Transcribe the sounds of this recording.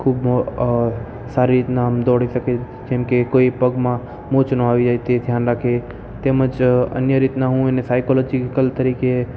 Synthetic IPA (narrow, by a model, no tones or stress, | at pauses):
kʰuːb | saːɾiɾit̪naɦəmd̪ɔːɽisəke | d͡ʒemkekoːipəɡmã | mot͡ʃnəaʋid͡ʒajt̪ed̪ʱjaːnɾəkʰe | t̪eːmət͡ʃə̰njəɾit̪naɦũenesaːɪkolɔːd͡ʒikəlt̪əɾiːke